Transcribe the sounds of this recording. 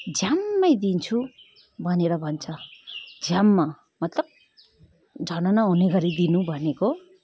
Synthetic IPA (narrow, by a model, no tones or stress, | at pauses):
d͡zʱjamːʌjd̪int͡sʰu | bʱʌneɾʌbʱʌnt͡sʰʌd͡zʱjamːa | mʌt̪lʌb̚ | d͡zʱʌnʌnaɦuneɡʌɾid̪inũbʱʌneko